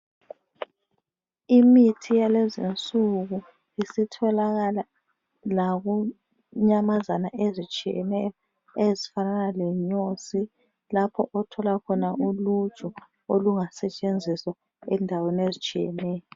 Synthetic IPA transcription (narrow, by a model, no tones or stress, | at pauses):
imitʰijalezint͡sʼuɣu | isitʰɔlaɣala | laɣu | ɲamazanaʔezit͡ʃʼijɛ̰nɛjɔ | ezifananalɛɲosi | lapʰɔʔɔtʰɔlakʰɔnaʔulu̥t͡ʃʼɔ | oluŋasɛt͡ʃʼend͡zʱiswa | ɛndʱaweniezit͡ʃʼijɛ̰nɛːjɔ